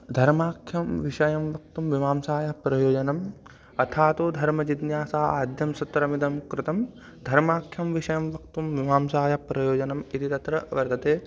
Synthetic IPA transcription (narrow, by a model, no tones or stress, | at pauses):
d̪ʱɐɾmaːkʰjɐmʋiʂɐjɐmʋɐk̚t̪umʋiʋaːmsaːjɐpɾɐjoːd͡ʒɐnɐm | ɐt̪ʰaːt̪od̪ʱɐɾmɐd͡ʒid̪njaːsaːaːd̪ʱjɐmsɐt̪ːɾɐmid̪ɐmkɾɪt̪ɐm | d̪ʱɐɾmaːkʰjɐmʋiʂɐjɐmʋɐk̚t̪umʋimaːmsaːjɐpɾɐjoːd͡ʒɐnɐmit̪ʰit̪ɐt̪ɾɐʋɐɾt̪ɐt̪eː